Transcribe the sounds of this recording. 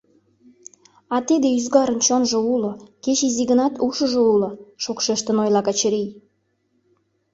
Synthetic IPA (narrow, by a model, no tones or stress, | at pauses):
ɑt̪id̪eyzɣɑɾənt͡ɕonʒŏulŏket͡ɕiziɣənɑt̪uʃə̆ʒŏulŏʃokʃeʃt̪ənojlɑkɑt͡ɕəɾij